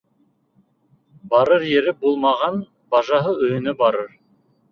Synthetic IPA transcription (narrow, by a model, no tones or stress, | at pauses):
bɑɾəɾjeɾɪbolˠmɑʁɑn | bɑʒɑɦəɵjɪ̆nɘbɑɾəɾ